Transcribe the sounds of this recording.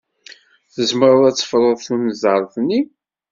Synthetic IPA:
θəzməɾˤʊðæt͡sːə̥fɾˤəðˤθunəzəɾˤθnːi

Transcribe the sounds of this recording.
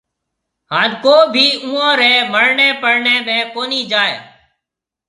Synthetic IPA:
ɦãːnkoːbʱiːũːãːɾɛːməɽɳẽːpəɽɳeːmẽːkoːniːd͡ʒaːḛː

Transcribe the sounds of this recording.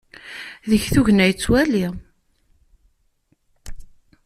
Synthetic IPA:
ðəçθuʝnæjt͡sːwæli

